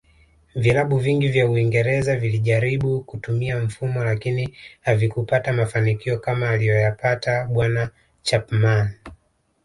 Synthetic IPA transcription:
vilaɓuviŋɡivjauiŋɡɛɾɛzaviliʄaɾiɓukutumiam̩fumɔlakinihavikupatamafanikiɔkamaːlijɔjapataɓwana | t͡ʃapman

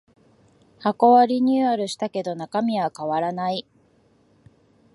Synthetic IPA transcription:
hako̞βaɾʲiɲ̟ɨaɾɯ̟ɕi̥t̪ake̞d̪o̞nakamʲiβakaβaɾanai

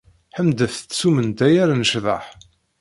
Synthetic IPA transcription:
ħəmd̪əθt̪ːsumənd̪æjæɾanəʃðˤɑħ

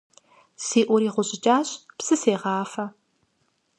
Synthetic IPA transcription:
siːʔʷʊɾiːʁʷʊɕʼɪt͡ʃʼaːɕpsɨseːʁɑːfɐ

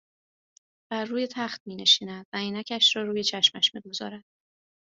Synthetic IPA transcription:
b̥æɾːuːje̞t̪ʰæχt̪̚miːne̞ʃiːnæd̪væiːnæcʰæʃɾɒːɾuːje̞t͡ʃʰæʃmæʃmiɡo̞zɒ̰ːɾæd̪̥

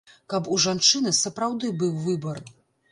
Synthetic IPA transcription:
kɐpuʐant͡ʂɨnɨsɐpɾawd̪ɨbɨwvɨbɐr

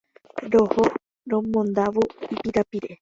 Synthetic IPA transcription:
ɾoho | ɾõmõnd̪aʋoipiɾapiɾe

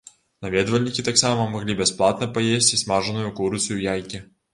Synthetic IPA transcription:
nɐvʲed̪əvəlʲnʲɪkʲɪt̪aksaməmɐɡlʲibʲɪsplˠat̪nəpɐjesʲtʲɪsʲmaʐɨnʊjʊkuɾsʲʊjʊjajkʲɪ

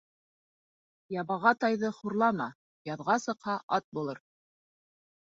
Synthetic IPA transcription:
jɑβɑʁɑt̪ɑjðɤχuɾlˠɑmɑ | jɑðʁɑsɤ̆qhɑʔɑt̪̚bulˠɤɾ

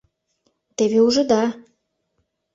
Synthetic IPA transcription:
t̪eβeuʒɤ̆d̪ɑ

